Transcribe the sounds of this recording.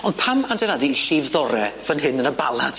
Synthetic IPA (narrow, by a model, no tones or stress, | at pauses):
ɔnd̥pʰamandɛnadiiɬivðɔɾɛvənɦɨnənəba̰lˠa̰d̥